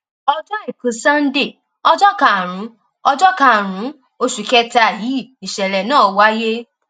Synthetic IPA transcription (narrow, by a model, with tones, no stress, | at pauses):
ɔ˦d͡ʒɔ˦e˦˨kũ˨˦sã˦n̩˦de˦˨ | ɔ˧d͡ʒɔ˦ka˨ɾ̃ũ˨˦ | ɔ˧d͡ʒɔ˦ka˦˨ɾ̃ũ˨˦ | o˧ʃu˨kɛ˧˦ta˧˨ji˨˦˨i˨ʃɛ˨lɛ˨nãː˦˨˦wa˦je˦